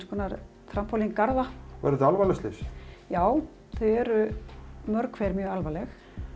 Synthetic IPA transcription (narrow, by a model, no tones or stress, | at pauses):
skʰɔːnaɾ | θɾam̥pʰɔliŋkaɾðavɛ̰ɾɪalvalɛst̪ɪsjaːw | θœjɛɾʏmœɾkʰvɛːɾmjœːɣalvalɛx